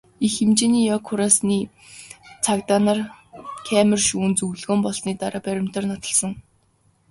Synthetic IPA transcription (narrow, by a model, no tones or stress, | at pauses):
ixemt͡ɕeːniːjɔkʰːʊɾasniː | t͡sʰakt̪anarkʰæːmə̆rʃuːnt͡suwɮɣoːmpɔɮsniːt̪aɾaːpæɾʲɪ̆m̥t̪ə̆rnɔt̪ɞ̆ɮsɞ̆ŋ